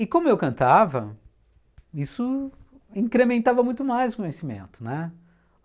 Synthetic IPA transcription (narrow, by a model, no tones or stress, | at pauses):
ɪkõmʊewkɐ̃nt̪avɐ̰ | isʊ | ĩkɾemẽnt̪avɐmũj̃t̪ʊmajzʊkõɲesimḛ̃nt̪ʊnɛ